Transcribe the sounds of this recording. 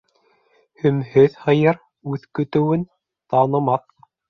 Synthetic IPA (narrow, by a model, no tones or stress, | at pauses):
hɵ̆mhɵðhɤ̆jɤɾ | ʉðkɵ̆t̪ɘ̆wɘn | t̪ɑnɤ̆mɑt